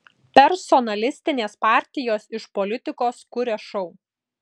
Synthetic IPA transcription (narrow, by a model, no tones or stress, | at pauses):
pʲɛɾsɔnɐlʲɪsʲt̪ʲɪnʲeːspɑˑɾʲt̪ʲɪjoːsɪʃpɔlʲɪt̪ʲɪkoːskʊɾʲɛʃɔʊ